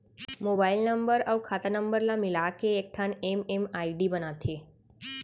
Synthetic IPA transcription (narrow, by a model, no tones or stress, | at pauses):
mobailnəmbəɾəwkʰat̪anəmbəɾlamilakeːk̚ʈʰanememaiɖibənat̪ʰe